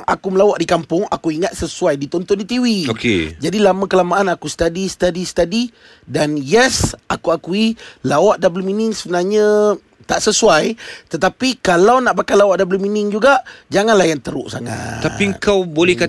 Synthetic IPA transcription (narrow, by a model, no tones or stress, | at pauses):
ŋʔa̰kuməlawaʔdikampʊŋa̰kuiŋat̪̚səsuajdit̪ɔnt̪ɔndit̪iwiokḛd͡ʒadilamãkəlamaʔanakusə̥t̪adist̪adisə̥t̪adi | danjɛsakuakuilawaʔdabləminɪŋsəbənarɲã | t̪aʔsəsuajt̪ət̪apikalawnaʔpakajlawaʔdabləminɪŋd͡ʒuɡaʔd͡ʒaŋanlahjaŋt̪əɾʊ̰ʔsa̰ŋa̰t̪aiəŋkawbolɛhka